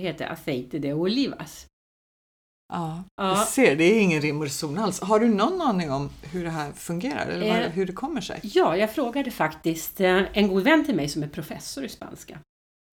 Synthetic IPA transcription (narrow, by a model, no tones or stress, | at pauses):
ɦeːt̪ə̰ɾʔa̰fɛɪt̪əd̪ɛɔʊliːva̰s | ʔɑːʔɑːseːɖɛːɪŋːənɾɪmʊɾsuːnalsɦaɖɵnɔnːɑːnɪŋɔmhɵɖɛɦæːɾfɵŋɡeːɾa̰ɾɛ̰lːəɾaɦɵɖɛkʰɔmːəʂɛ̰jjɑːjɑːɡfɾoːɡad̪əfakt̪ɪst̪ɛnɡuːd̪vɛnt̪ʰɪlmɛjsɔmæɾpʰɾʊfɛsːʊɾɪspa̰nska̰